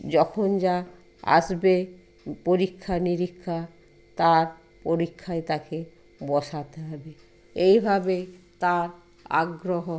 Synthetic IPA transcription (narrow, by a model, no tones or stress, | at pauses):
d͡ʑɔkʰond͡ʑa | a̰ʃbe | poɾikʰːaniɾikʰːa | t̪aɾ | poɾikʰːaet̪ake | bɔʃat̪eɦɔbe | ejbʱabe | t̪aɾ | a̰ɡɾoɦo